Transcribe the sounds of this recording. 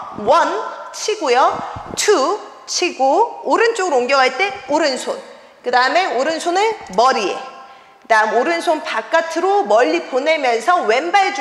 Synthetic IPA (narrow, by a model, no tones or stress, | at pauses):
wʌnt͡ɕʰiɡujʌtʰu | t͡ɕʰiɡooɾɯnt͡ɕ͈oɡɯɾooŋɡjʌɡaɭt͈e̞oɾɯnsʰon | kɯdaɯme̞oɾɯnsʰonɯmʌɾie̞̰ | daɯmoɾɯnsʰonpak͈atʰɯɾomʌʎːipone̞mjʌnsʰʌwe̞nbaɭd͡ʑ